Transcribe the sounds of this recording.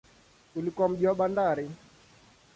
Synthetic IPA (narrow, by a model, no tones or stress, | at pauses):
ulikuwam̩ʄiwaɓandaɾi